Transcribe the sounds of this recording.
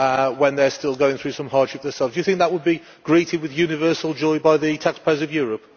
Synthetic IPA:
wə̃nðə˞stɪlˠɡoʊɪ̃ŋθɹʉːsʌ̃mhɑɹd̥ʃɪp̚ðəsɛlˠvzdjəθɪ̃ŋk̚ðəʔ̚wəd̚bi | ɡ̥ɹiˑtɪd̚wɪðjʉːnɪvɜˑsəlˠd͡ʒɔɪbaɪðətʰakspʰəʊzəvjɔːɹəp̚

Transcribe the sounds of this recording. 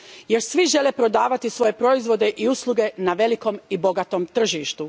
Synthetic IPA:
je̞ɾsʋiʒe̞lepɾo̞d̪aːʋat̪isʋo̞je̞pɾo̞izʋo̞d̪e̞ʔiuslˠuɡe̞naʋe̞liko̞mibo̞ɡat̪o̞mt̪r̩ʒiːʃt̪u

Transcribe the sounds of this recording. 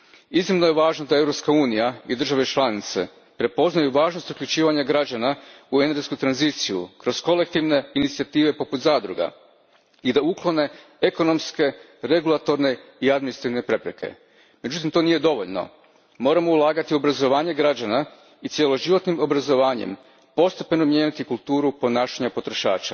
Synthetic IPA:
iznimno̞je̞ʋaːʒnod̪ae̞vɾo̞pskauːnijaid̪r̩ʒaʋe̞t͡ʃlˠanit̪se̞̰ | pɾe̞po̞znajuʋaːʒno̞st̪ukʎʲut͡ʃiːʋaɲaɡɾad͡ʑanaueneɾɡeskut̪ɾanzit̪sijṵkɾo̞sko̞le̞k̚t̪iʋne̞init̪siat̪iːʋe̞poput̪zaːd̪ɾuɡa̰ | id̪auklˠo̞ne̞ | eko̞no̞mske̞ | ɾe̞ɡulˠat̪o̞ɾne̞iad̪minisɾat̪iʋne̞pɾe̞pɾḛke̞̰ | me̞d͡ʑut̪̬imt̪o̞niːje̞d̪o̞ʋoʎno̰ | moːɾamo̞ulˠaːɡat̪iuo̞bɾazo̞ʋaːɲe̞ɡɾad͡ʑana | it̪sʲje̞lo̞ʒiʋo̞t̪nimo̞bɾazo̞ʋaːɲḛm | po̞st̪epe̞nomjeːnit̪ikulˠt̪uːɾupo̞naːʃaɲapo̞t̪ɾo̞ʃa̰ːt͡ʃa̰

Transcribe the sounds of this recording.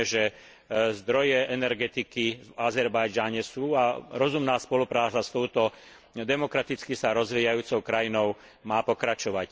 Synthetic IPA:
ʒɛ | zd̪ɾɔjɛʔɛnɛɾɡɛt̪ikivazɛɾbajd͡ʒaɲɛsuːaɾɔzumnaːspɔlupɾaːt͡sast̪ɔʊt̪ɔ | d̪ɛmɔkɾat̪it͡skisaɾɔzʋiːjajuːt͡sɔʊkɾajinɔʊ | maːpɔkɾat͡ʃɔʋac

